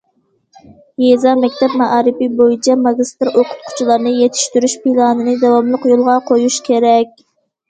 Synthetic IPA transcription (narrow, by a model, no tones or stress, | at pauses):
jezɑmɛkʲt̪ɛp̚mɑʔɑːɾɨpibojit͡ʃʰɛmɑɡʲist̪ɨɾoqʰʊ̥t̪̚qʰʊ̥t͡ʃʰulˠɑɾnɨjet̪ʰi̥ʃt̪yɾyʃpilˠɑnɨnɨd̪ɛwɑmlˠəqjolˠʁɑqʰojuʃkʲʰeɾɛkʲ